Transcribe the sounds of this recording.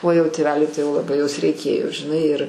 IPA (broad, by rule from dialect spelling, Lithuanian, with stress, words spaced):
oː jɛʊ tʲeːˈʋʲæːlʲʊɪ tɐɪ lˠɐˈbɐɪ joːs rʲɛɪˈkʲeːjoː ʒʲɪˈnɐɪ ɪr